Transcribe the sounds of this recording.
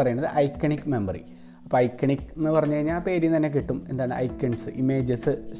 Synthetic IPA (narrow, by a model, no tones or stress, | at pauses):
ɐrɐjaɳːɐðɨʔɐjkːɐɳikːme̞mbɐrḭ | ɐpːoːɐjkːɐɳikːenːɨpɐrɐɲːukɐɻiɲːalaːpe̞ːɾimnt̪ɐnːek̬iʈːume̞nd̪aːɳɨɐ̰jkːɐɳsɨʔimeːd͡ʑɨsɨ